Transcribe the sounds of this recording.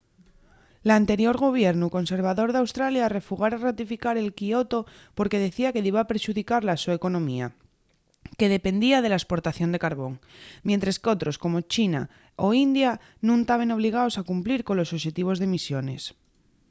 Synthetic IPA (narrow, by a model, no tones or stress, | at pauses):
lant̪e̞ɾjo̞ɾɣ̞o̞β̞je̞ɾnuko̞nse̞ɾβ̞aðo̞ɾðawst̪ɾaljare̞fuɣaɾarat̪ifikaɾe̞lkio̞t̪o̞ | po̞ɾke̞ðe̞θiake̞ðiβapɾʃuðikaɾlasueko̞nõ̞mia̰ | ke̞ð̞e̞pe̞nd̪iað̞e̞laespo̞ɾt̪aθjo̞nd̪e̞kaɾβo̞ŋmjent̪ɾesko̞t̪ɾo̞sko̞mo̞t͡ʃina̰ | o̞ind̪ja | nũŋt̪aβ̞e̞no̞β̞liɣ̞aosakumpliɾko̞nlosoʃe̞t̪iβ̞o̞zðemisjo̞ne̞s